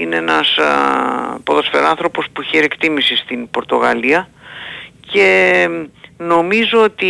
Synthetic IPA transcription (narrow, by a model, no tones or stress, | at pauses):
ineenɐs | poðo̞sfḛɾɐnθɾo̞po̞spuçeɾiekt̪imisist̪inpo̞ɾt̪o̞ɣɐ̰liɐ | ce̞ | no̞mizo̞ot̪i